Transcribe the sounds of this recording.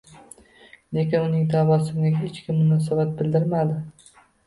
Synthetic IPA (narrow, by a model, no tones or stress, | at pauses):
le̞kʲɪnʊnɪŋd̪abɒsɪŋaɦet͡ʃkʲʰɪmːʊnɒsabat̪̚bɪld̪ɪɾmad̪ɪ